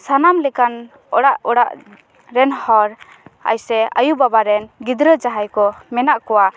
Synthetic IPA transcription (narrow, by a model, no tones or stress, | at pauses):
sanamlɛkan | ɔɽaʔɔɽaʔ | ɾɛnhɔɾ | a̰jsɛə̰jubabaɾɛnɡid̪ɾəd͡ʒaɦajkɔmɛnaʔkɔwa